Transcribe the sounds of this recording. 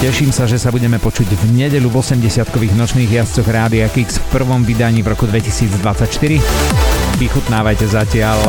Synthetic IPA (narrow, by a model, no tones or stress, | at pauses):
cɛʃiːmsaʒɛsabuɟɛmɛpɔt͡ʃuɟvɲɛɟɛʎuvɔsɛmɟɛsɪat̪̚kɔʋiːɣnɔt͡ʃniːɣjast͡sɔɣɾaːd̪iakiksfpr̩ʋɔmʋid̪aɲiːvɾɔkud̪ʋɛcisiːd͡zd̪ʋat͡sːacʃt̪iɾi | ʋixut̪naːʋajcɛzacɪaʎ